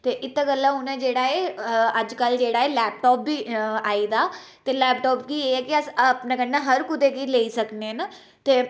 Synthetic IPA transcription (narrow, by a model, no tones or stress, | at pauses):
t̪eːʔɪt̪ːaɡəlːãːɦʊnẽːd͡ʒeːɽaːeːəd͡ʒkəld͡ʒeːɽaːeːlɛːpʈɔːp̚ːiːaːid̪aː | t̪eːlɛːpʈɔːpkiːeɛːkɪəspnãːkənːãɦəɾkʊd̪eːkiːleːisəkneːna | t̪eː